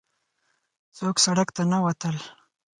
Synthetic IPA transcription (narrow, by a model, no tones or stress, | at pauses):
soːksaɽəkt̪anawat̪əl